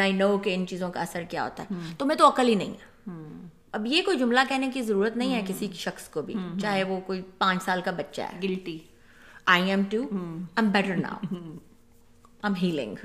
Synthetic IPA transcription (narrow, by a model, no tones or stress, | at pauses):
aːɪnoːkeɪnt͡ʃiːzõkaɐsəɾkija̰ɦo̰ːt̪aɦɛt̪omɛ̃ːt̪oɐkəlinɐɦḭ̃ɛː | ɐbjekoːid͡ʒʊmlakɛːɦnekizɐɾuːɾət̪nɐɦĩɦɛkɪsiki̥ʃɐxskobʱḭt͡ʃaːɦeʋokoːipãːt͡ʃsaːlkabɐtːʃa̰ɦɛ̰ːɡɪlt̪i | aːɪɛ̃mʈuːãɪ̃mbɛʈəɾna̰ːʊ | ãɪ̃mɦiːlɪ̰̃ŋɡ